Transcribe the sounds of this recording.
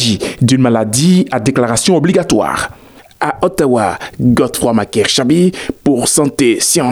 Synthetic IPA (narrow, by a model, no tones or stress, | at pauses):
ʒid̪ynmalad̪iad̪eklaʁasjɔ̃ɔbliɡat̪wa̰ʁ | aʔɔt̪awaɡɔt̪fχwamakɛʁʃabipuʁsɑ̃t̪esjɑ̃